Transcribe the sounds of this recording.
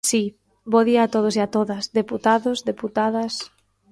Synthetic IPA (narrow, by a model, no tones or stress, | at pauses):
si | boðiaːt̪oð̞osiat̪oðɐsðeput̪aðʊzðeput̪aðɐs